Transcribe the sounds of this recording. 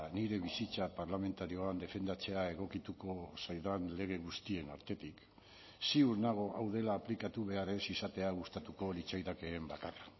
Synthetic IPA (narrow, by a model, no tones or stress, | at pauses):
niɾe̞β̞isit͡sapaɾlame̞nt̪aɾio̞and̪e̞fe̞nd̪at͡se̞ae̞ɣ̞o̞kit̪uko̞sajðanle̞ɣ̞e̞ɣust̪ie̞naɾt̪e̞t̪ik | siuɾnaɣ̞o̞ʔawð̞e̞laːplikat̪uβe̞aɾe̞sisat̪e̞aɣ̞ust̪at̪uko̞lit͡sajðake̞ːmbakara